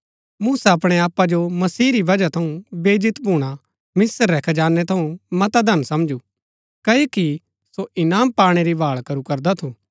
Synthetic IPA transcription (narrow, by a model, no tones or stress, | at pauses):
muːsaɐpɽ̃eaːpad͡ʒomɐsiːɾiʋɐd͡ʒat̪ʰɐũbeːd͡ʒɪt̪bʱuːɽ̃a | mɪsəɾːɛkʰd͡ʒaːnːɛt̪ʰɐũmɐt̪ad̪ʱɐnsɐmd͡ʒu | kɐjoːki | soʔɪnaːmpaːɽ̃eɾibʱaːɭkɐɾukɐɾd̪at̪ʰũː